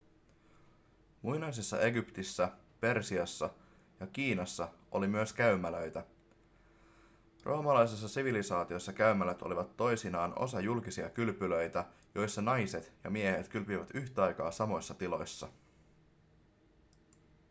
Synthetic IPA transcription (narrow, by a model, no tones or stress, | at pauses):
mujnɑjs̬esːɑ̰ʔe̞ɡypt̪isːæ | pe̞rsiɑsːɑ | jɑkiːnɑsːɑo̞limyøskæɥmæløjt̪æ | rʔo̞ːmɑlɑjses̬ːɑsiʋilisɑːt̪io̞sːɑkæymælæt̪o̞̰liʋɑt̪ːo̞jsinɑːno̞̰sɑjulkisiɑkylpylø̞jt̪æjo̞jsːɑnɑjset̪jɑ̰miehe̞t̪kylpyʋæt̪yçt̪æɑjkɑːsɑmo̞jsːɑt̪ilo̞jsːɑ̰